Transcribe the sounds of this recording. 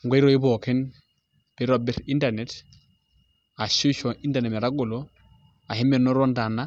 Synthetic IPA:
ŋɡe˦i˦ɾo˦i˦bo˨ke˦n | b̥e˦ɾo˦˨bi˦ɾi˦nda˨ne˨t | a˨ʃu˦ʃo˨ʔi˦nda˨ne˨me˨ɾa˦ɡo˨lo˦ | a˨he˦me˦no˦ɾo˦nda˨na˦

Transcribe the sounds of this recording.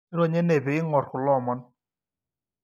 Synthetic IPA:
ɪ˦ɾo˦˨ɲe˦ne˨be˨ɪ˦ŋɔ˨ɾkʊ˨lɔ˦˨mɔ˦n

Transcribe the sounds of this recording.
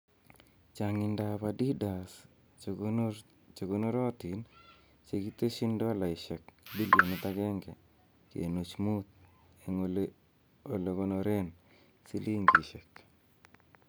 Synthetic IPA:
t͡ʃa˨ŋɪ˨nda˨pa˨di˦da˨s | t͡ʃo˨ɡo˨no˦ɾɔ˦t̪i˨n | t͡ʃe˨ɡi˦t̪e˦ʃi˦ndɔ˦la˨ɪ˨ʃɛ˨k̚di˦ljo˨ni˦t̪a˦ɡɛ˦ŋɡɛ˨ | kḛ˨no˨t͡ʃmu˦t̪̚ | e˨l | o˨le˨ko˦no˨ɾe˦n | si˦li˦ŋɡi˨ʃɛ˨k

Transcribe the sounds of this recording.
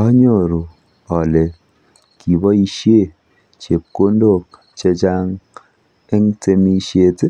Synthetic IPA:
ɔ˦ɲo˦˨ɾu˨ | ɔ˨le˨ | ki˨bɔ˦i˧ʃje˦˨ | t͡ʃe˨p̚ko˦ndo˦˨k̚ | t͡ʃe˧t͡ʃa˦ŋ | e˦ŋte˧mi˧ʃje˧tɪ˦

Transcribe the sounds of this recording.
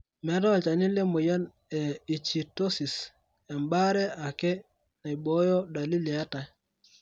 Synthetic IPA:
mɛ˨˦ɾa˦a˨t͡ʃa˨ni˦lɛ˦mo˨ja˦n | ɛ˨i˨t͡ʃi˨to˦si˨s | ɛ˨mba˦ɾɛ˦a˨kɛ˦ | na˨jbɔ˦jɔ˦da˨li˦li˨a˦ta˨j

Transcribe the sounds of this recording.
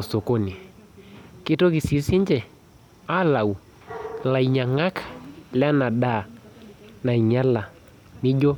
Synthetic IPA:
ɔ˨so˨ko˦ni˨ | ki˦to˦ki˨si˨˦si˦ɲd͡ʒɛ˨ | a˦la˨u˨ | la˨i˨ɲa˨ŋa˦kḁ˨lɛ˦a˦na˨ɗa˦˨ | na˨i˨ɲa˦la˨ | mi˦d͡ʒɔ˦

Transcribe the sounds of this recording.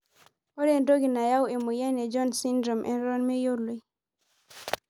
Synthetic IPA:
o˦ɾe˨ndo˦ɡi˨na˨ja˦we˨mu˨ja˦nɛ˨d͡ʒɔ˦nsi˦ndɾɔ˨mʔɛ̰˨nɾɔ˦nme˦jo˦lu˨j

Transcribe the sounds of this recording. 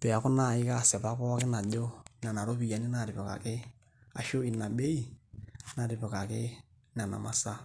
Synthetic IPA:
pɛ˨a˨kʊ˦na˨ɪ˦ka˦˨sɛ˨pa˦kɔ˦kɪ˦na˨ɟo˦na˨na˨ɾo˦pi˨ja˨ni˦na˨ɾɪ˨pɔ˨ka̰˨kɪ˦ | a̰˨ʃo˦i˨na˨ɓe˦i˦na˨ɾɪ˨pɔ˨ka˨kɪ˦ | na˨na̰˨ma˨sa˦

